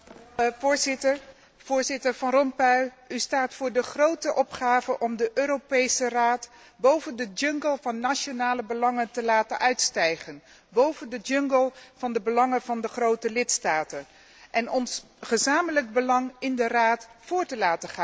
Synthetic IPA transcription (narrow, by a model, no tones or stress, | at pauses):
vʊːɹzɪtəɹ | v̥ʊːɹzɪtəɹvɑnrɔmpœɥ | ystaːtfʊːɹdəχrowtəʔɔpχaːvəʔɔmdəʔøːɾopejsəraːt | bowvəndəd͡ʒɵŋɡəlˠvɑnːaʃonaːləbəlɑŋəntəlaːtənʔœɥtstɛjχən | bowvəndəd͡ʒɵŋɡəlˠv̥ɑndəbəlɑŋəvɑndəχrowtəlɪtstaːtən | ʔɛnɔns | χəzaːmələɡ̚bəlɑŋɪndəraːtfʊːɹtəlaːtəχaːn